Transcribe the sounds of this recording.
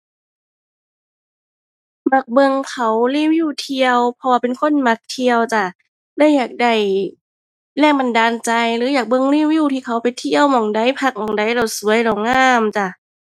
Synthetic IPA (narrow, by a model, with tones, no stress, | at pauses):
ma˧˩k̚bɤ˧ŋkʰa˨˦wliː˧˥˩wjuː˧˥˩t̪ʰi˧əwpʰɔ˧waː˧˩pe˨nkʰo˧˥˨nma˧˦k̚t̪ʰi˧əwt͡ɕa˧˩ | da˧˥˩jːaː˨˩k̚da˧˩j | lɛː˧˩ŋba˧˨ndaː˧nt͡ɕa˧jlɯː˨˦jaː˨˩k̚bɤ˧˨ŋliː˧˥˩wjuː˧˩˨t̪ʰiː˧˩kʰa˨˦wpa˨jt̪ʰi˧˨əwmɔ˨˩ŋda˧˩jpʰa˧˩k̚mɔː˨˩ŋda˧˦jla˧˩wsu˨˦əjla˧˩wŋaː˧˥˨mt͡ɕa˧˩